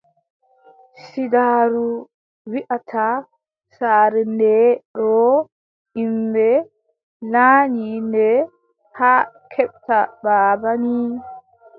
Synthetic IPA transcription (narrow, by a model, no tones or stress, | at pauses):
sidaːɾu | wiʔatʰa | saːɾɛndɛɾɔ | imbɛ | laːɲindɛ | haːkʰɛɓtabaːbani